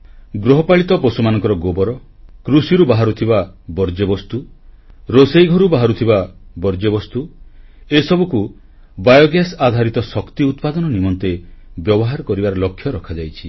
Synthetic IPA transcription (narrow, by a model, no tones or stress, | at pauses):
ɡɾoɦɔpaɭit̪ɔpɔsumanɔ̃ŋkɔɾɔɡobɔɾɔ | kɾusiɾubaɦaɾut̪ʰibabɔɾd͡ʒebɔst̪u | ɾosejɡʱɔɾubaɦaɾut̪ʰibabɔɾd͡ʒebɔst̪u | esɔbuku | bajɔɡjasad̪ʱaɾit̪ɔsɔkt̪iut̪̚pad̪ɔnɔnimɔnt̪ebjɔbɔɦaɾɔkɔɾibaɾɔlɔkʰːjɔɾɔkʰad͡ʒajt͡ʃʰi